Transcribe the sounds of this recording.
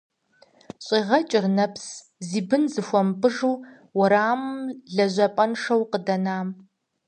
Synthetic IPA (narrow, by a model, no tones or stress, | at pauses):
ɕʼiːʁɐt͡ʃʼɪrnɐps | ziːbɨnzɨxʷɔmpʼɨʐuː | wɐɾaːmmɮɐʑʷɐpʼɐnʂɐwqədɐnaːm